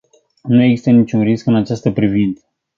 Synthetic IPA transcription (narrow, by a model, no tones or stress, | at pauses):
nueɡzist̪ənit͡ʃunriskɨnat͡ʃast̪əpɾivint̪sə̥